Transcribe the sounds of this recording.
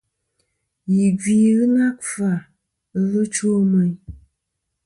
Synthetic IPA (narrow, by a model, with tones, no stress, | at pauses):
ji˨ɡi˨ɣɨ˦na˦kfa˨ | n̩˦vɨ˦t͡ʃo˦mə˨j